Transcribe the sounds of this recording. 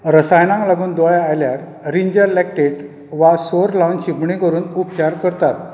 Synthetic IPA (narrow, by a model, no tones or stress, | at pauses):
ɾəsajnãŋklaɡuːnd̪ɔjaajljaɾ | ɾiɲd͡ʑəɾlɛk̚ʈeʈ | ʋasoɾlawnɕipɳikəɾuːnupt͡ɕaɾkəɾt̪at̪